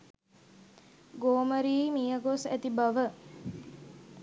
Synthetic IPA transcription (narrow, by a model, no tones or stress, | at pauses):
ɡoːməɾiːmijəɡosæt̪ibaʋə